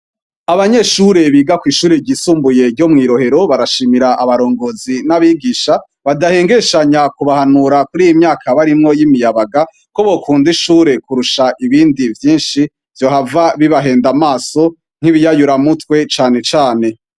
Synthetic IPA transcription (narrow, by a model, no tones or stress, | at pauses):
aβaɲe̞ʃuɾe̞βiːɡakwiːʃuːɾeɟisuːmbuje̞ɟo̞mŋiːɾo̞he̞ɾo̞βaɾaʃiːmiɾaʔaβaɾo̞ːŋɡo̞zinaβiɡiːʃa | βadaheːŋɡeʃaɲakuβahanuɾakuɾiːjimɲaːkʰaβaɾimŋo̞jimijaβaɡa | ko̞βo̞kʰuːndiʃuːɾe̞kuɾuʃaʔiβiːndivjiːnʃi | v̥jo̞ɦhavaβiβaɦe̞ːndamaːso̞ | ŋ̥hiβijajuɾamutwe̞t͡ʃaːne̞t͡ʃaːne̞